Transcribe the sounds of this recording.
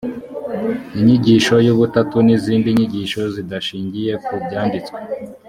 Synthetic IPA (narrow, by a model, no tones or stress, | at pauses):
iɲiɟiʃo̞juβutatuniziːndiɲiɟiʃo̞zidaʃiːɲɟije̞kubɟaːndit͡skwe